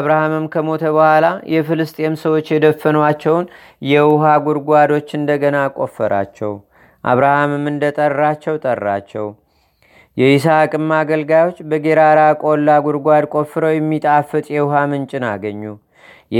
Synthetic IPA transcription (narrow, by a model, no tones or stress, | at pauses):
βɾahamɨmkʰəmo̞t̪ʰəβəhʷwalajɛfɨlɨst̪ʼjemsəwo̞t͡ʃːjɛd̪əfːənwat͡ʃːɛwn | jɛwʊɦaɡuɾɡʷad̪o̞t͡ʃːɨnd̪əɡənakʼo̞fːəɾa̰t͡ʃːɛ̰w | ʔa̰βɾahamɨmɨnd̪ət̪ʼərːat͡ʃːɛwt̪ʼərːa̰t͡ʃːɛw | jɛisakʼɨmːaɡəlɡajo̞t͡ʃːbəɡe̞ɾaɾakʼo̞lːaɡuɾɡʷad̪kʷʼo̞fːɨɾəwjɛmːit̪ʼafɨt̪ʼjɛwʊɦamɨnt͡ʃʼɪnaɡəɲːu